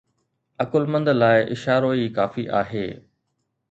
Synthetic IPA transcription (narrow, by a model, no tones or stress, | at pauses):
ɐkʊlmə̃nd̪laːɪʔɪʃaːɾoːikaːfiʔaːɦḛː